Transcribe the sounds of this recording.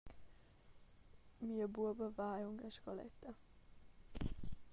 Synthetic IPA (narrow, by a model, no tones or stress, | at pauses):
miːəbubəvaːjuŋɡɛʃkɔlɛ̰t̪ːɐ